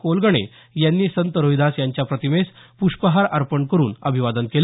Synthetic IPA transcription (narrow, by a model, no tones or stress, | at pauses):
kolɡəɳ̃ḛ | janːiːsənt̪əɾojd̪asjaɲt͡ɕjapɾət̪imespuʂpəɦaɾaɾpəɳkəɾuːnəbʱiʋad̪ənkel